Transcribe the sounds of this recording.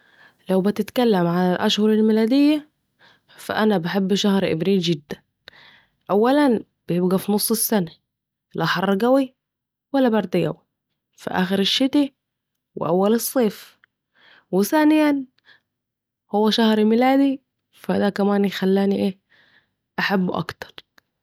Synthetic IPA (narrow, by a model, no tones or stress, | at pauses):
lawbɪt̪ɪt̪kælːamʕalalʔæʃhʊɾˤelmɪlæːd̪ɪjːa | fa̰ʔanabaħebːʃahɾʔɪ̰bɾiːlɡɪd̪ːæn | ʔawːælæn | b̥ɪjɪbɡæfinosˤːɪsːæna | læħɑɾˤːɑɡæwi | walːæbɑɾˤd̪ɪɡæ̰wi | fḭʔa̰ːxɪɾɪʃːɪt̪i | wɪ̰ʔawːalɨsˤːeːf | wɪθaːnɪjan | hʊwːæʃahɾmɪlaːd̪i | fad̪ækæmaːnjɪxalːaːniʔeː | ʔaħabːʔɑ̰kt̪ɑ̥ɾˤ